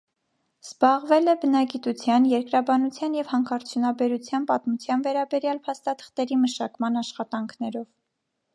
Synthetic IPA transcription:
z̥bɑʁvɛlɛbənɑɡit̪ut͡sʰjɑnjɛɾkɾɑbɑnut͡sʰjɑnjɛvhɑŋkʰɑɾt͡sʰjunɑbɛɾut͡sʰjɑnpɑt̪mut͡sʰjɑnvɛɾɑbɛɾjɑlpʰɑst̪ɑt̪ʰə̥χt̪ɛɾiməʃɑkmɑnɑʃχɑt̪ɑŋkʰnɛɾɔv

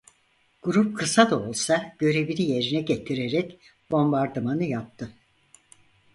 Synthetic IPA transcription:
ɡ̥uɾup̚kʰɯsad̪ao̞lˠsaɟ̥ø̞ɾe̞bilije̞ɾinɛɟet̪ʰiɾeɾɛc | bo̞mbaɾd̪ɯmanɯjap̚t̪ʰɯ

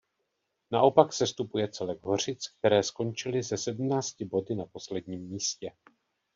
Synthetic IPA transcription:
naʔo̞paksɛst̪upujɛt͡sɛlɛɡɦo̞r̝ɪt͡sk̚t̪ɛɾɛːsko̞nt͡ʃɪlɪzɛsɛdm̩naːt͡scɪbo̞dɪnapo̞slɛdɲiːmːiːscɛ

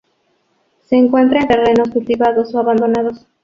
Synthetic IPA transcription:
se̞ːŋkwe̞nt̪ɾaent̪e̞re̞no̞skult̪iβaðo̞soaβand̪o̞naðo̞s

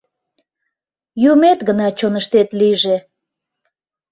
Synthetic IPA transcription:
jumet̪ɡənɑt͡ɕonəʃt̪et̪liʒe

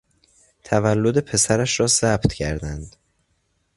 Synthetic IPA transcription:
t̪ʰævælːo̞d̪epʰe̞sæɾæʃɾɒːzæbt̪cʰæɾd̪ænd̪̥

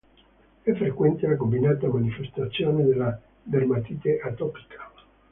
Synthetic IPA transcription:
ɛfːɾekwɛnt̪elakombinaːt̪amanifest̪at̪sːjoːned̪elːa | d̪ermat̪it̪eʔat̪ɔpi̥kʰa

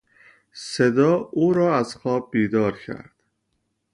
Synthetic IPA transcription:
se̞d̪ɒːuːɾɒːæzxɒːb̚ːiːd̪ɒːɾcʰæ̰ɾd̪̥

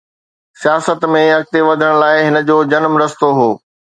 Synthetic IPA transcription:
sijaːsət̪mẽɐk̚t̪eʋɐd̪ʱəɽ̃̆laːɪɦɪnə̆d͡ʑoːd͡ʑɐnmɾɐst̪oɦoː

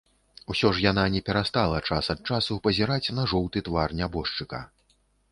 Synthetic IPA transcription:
usʲɔʂjananʲɛpʲɛɾast̪alˠɐt͡ʂasɐt̪̚t͡ʂasupɐzʲiɾat͡sʲnɐʐɔwt̪ɨt̪varnʲabɔʂt͡ʂɨkɐ̰

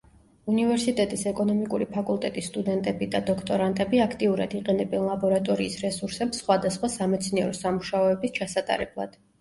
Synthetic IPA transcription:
univɛɾsit̪ʼɛt̪ʼisɛkʼɔnɔmikʼuɾipʰakʼulˠt̪ʼɛt̪ʼisːt̪ʼud̪ɛnt̪ʼɛbid̪ad̪ɔkʰt̪ʼɔɾant̪ʼɛbiakʰt̪ʼiuɾa̰d̪iqʼɛnɛbɛnlˠabɔɾat̪ʼɔɾiːsɾɛsuɾsɛpsːχwad̪asχwasamɛt̪sʰniɛɾɔsamuʃaɔɛbist͡ʃʰasat̪ʼa̰ɾɛ̰blˠa̰d̪̥

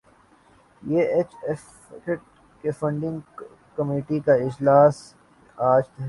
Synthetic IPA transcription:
jeːeːt͡ʃɛf | keʈ̚ | kefɐ̃ɳɖɪ̃ŋɡ | kɐmiːʈikaɪd͡ʒlaːs | aːd͡ʒt̪ɐɦ

